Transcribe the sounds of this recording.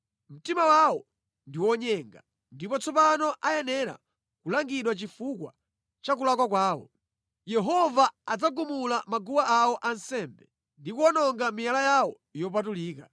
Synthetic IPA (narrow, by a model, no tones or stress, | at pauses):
m̩timawawɔ | ndiwɔɲɛŋɡa | ndipɔt͡sʰɔpanɔʔajɛnɛɾa̰ | kulaŋɡiɗwat͡ʃifukwa̰ | t͡ʃak̬ulakwak̬waːwɔ̰ | jɛɦɔvaad͡zaɡumulamaɡuwaawɔʔansɛmbɛ | ndikuɔnɔŋɡamijalajawɔ | jɔp̬at̬uliːka